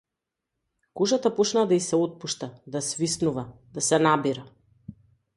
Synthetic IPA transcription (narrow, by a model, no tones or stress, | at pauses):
kuʒat̪apɔt͡ʃnad̪aisɛɔt̪̚puʃt̪ad̪asvisnuvad̪̥asɛnabiɾa